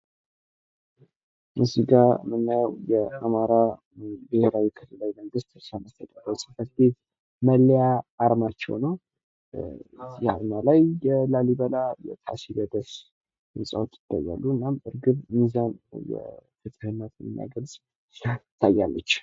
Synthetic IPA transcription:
muziɡamɨnːajwjɛamaɾa | bɨheɾawikʰɨlɨlajməŋɡɨst̪saməst̪ʰət̪ʼəbasʼi̥fʰəɾt̪ʰet̪ | məlːjaːɾmat͡ʃːɛ̰wnəw | jɛaɾmalajːɛlaliβəlajɛ̰t̪ʰasibəd̪əs | ɨnsʼawot̪jɪ̥t̪ːa̰jːa̰lːuɨnːamɨɾɡɨβmizanjɛ̰fɨt̪ʼɨhɨnːət̪nːa̰ɡəlsʼ | saɪt̪ʰːajːalːət͡ʃː

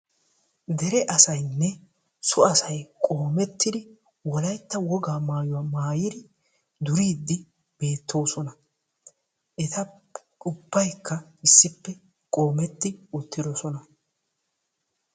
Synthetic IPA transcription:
d̪ɛɾɛʔɐsɐjnːɛ | sʊɐsɐjkʼo̞ːmɛt̪ːɪd̪ɪ | wɔlɐjt̪ːɐwɔɡaːmaːjʊwamaːjɪd̪ɪ | d̪ʊɾiːd̪ːɪ | b̥e̞ːt̪ːo̞ːsɔnɐ | ʔɛt̪ɐ | ʊbːɐjkːɐɪsːɪpːɛ | kʼo̞ːmɛt̪ːɪʊt̪ːɪd̪ɔsɔnɐ

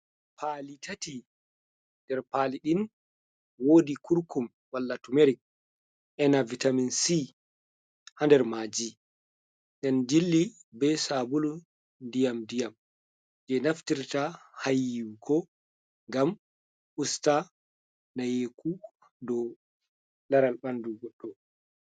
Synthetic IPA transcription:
pʰalitʰati | ndɛɾpaːliɗin | woːdikʰuɾkum | walːatumeɾik̚ | ʔɛnavitaminsi | handɛɾmaːd͡ʒi | ɡɛnd͡ʒilːibɛsabulu | ndijamdijam | d͡ʒɛnaftiɾtahajiwkʰɔ | ŋɡam | ʔusta | najeku | dɔ | laɾalɓanduɡɔɗːɔ

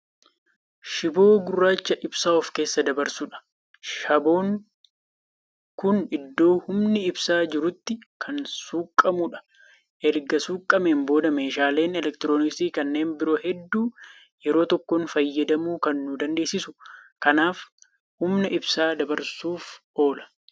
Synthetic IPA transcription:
ʃɪbo̞ːɡʊrːaːt͡ʃːɐʔɪbsaːɔfke̞ːsːɐd̪ɐbɐɾsuᶑɐ̥ | ʃɐbo̞ːŋ | kʊnɪd̪ːo̞ːhʊmnɪːbsaːd͡ʒɪɾʊt̪ːɪkʰɐnsuːkʼːɐmʊᶑɐ̥ | ʔɛɾɡɐsuːkʼːɐmeːmbo̞ːd̪ɐmeːʃaːle̞ːnɛlɛkt̪ɪɾoːnɪkst̪iːkɐnːe̞ːnbɪɾo̞ːhɛd̪ːuː | jɛɾo̞ːt̪ɔkːonfɐjːɐd̪ɐmuːkɐnːʊd̪ɐnd̪e̞ːsɪsʊ̥kɐnaːf | hʊmnɐʔɪbsaːd̪ɐbɐɾsuːf | o̞ːlɐ̥

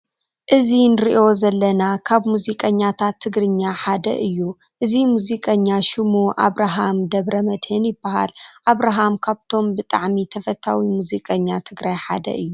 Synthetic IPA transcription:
ʔɨzinɨɾḭʔo̞zɐlːɐnakʰaβmuzikʼɐɲːat̪ʰat̪ʰːɨɡɾɨɲːaħad̪ɐ̰ʔɨjːu | ʔɨzimuzikʼɐɲːaʃɪmuʔa̰βɾaɦamd̪ɐβɾɐmɐd̪hɨnjɪbːaɦa̰lʔaβɾaɦamkʰaβt̪ʰo̞mbɨt̪ʼa̰ʕmit̪ʰɐfɐt̪ʰːawimuzikʼɐɲːat̪ʰɨɡɾajħa̰d̪ɐ̰ʔɨjːu

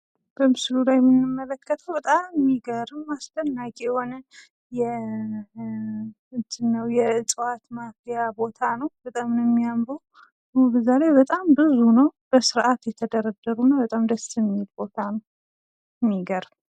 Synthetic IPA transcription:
b̥əmɨslulajɛmɨnːɨmːələkʰːət̪ʰəwbət̪ʼamːiɡəɾmast̪ənːakʼijho̞nə | jɛ | ɨnt̪ʰɨnːəwjɛɨt͡sʼwat̪mafijabo̞t̪ʰanəwbət̪ʼamnəmːijambəw | bəzalajbət̪ʼambɨzunəwb̥əsɨɾʔat̪jɛt̪ʰəd̪əɾəd̪ːəɾunəbət̪ʼamd̪əsɨmet̪bo̞t̪ʰanəw | mːiɡəɾ

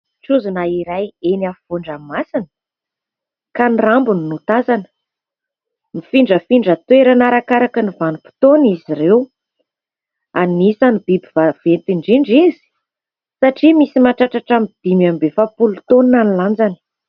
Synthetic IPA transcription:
t͡suzunaiɾajeniafivuɳɖ͡ʐammasinə | kanirambuninut̪azanə̥ | mifiɳɖ͡ʐəfiɳɖ͡ʐət̪weɾanaɾakaɾakənivanupi̥t̪oniziɾew | anisanibibivavent̪iɳɖ͡ʐiɳɖ͡ʐizi̥ | saʈ͡ʂimisimaʈ͡ʂaʈ͡ʂaʈ͡ʂamid̪̥imambefapulut̪oninaniland͡zani̥

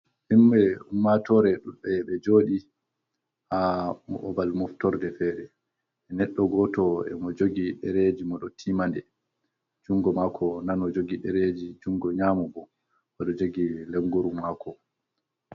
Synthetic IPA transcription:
himːɛumːatɔɾɛɗuɗɛɓɛd͡ʒoːɗi | hamɔ̰ʔɔbalmɔftɔɾdɛfɛːɾɛː | nɛɗːɔɡɔtɔɛmɔd͡ʒoɡiɗɛɾed͡ʒimɔɗɔtʰiːmandɛ | d͡ʒuŋɡɔmakʰɔnanɔd͡ʒoɡiɗɛɾed͡ʒid͡ʒuŋɡɔɲamubɔ | mɔɗɔd͡ʒoɡileŋɡuɾumːakʰɔ

